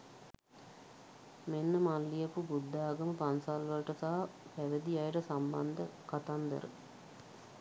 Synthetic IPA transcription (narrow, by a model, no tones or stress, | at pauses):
menːəmalːijəpubud̪ːaːɡəməpansalʋɐlʈəsaːpæʋed̪iajʈəsamba̰nd̪əkat̪and̪ə̰ɾə̰